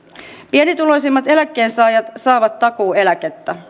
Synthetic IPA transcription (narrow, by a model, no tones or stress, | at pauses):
pienit̪uloisimːɑt̪e̞lækːˑeːnsɑːjɑt̪sɑːʋɑt̪ːɑkoːelæket̪ːæ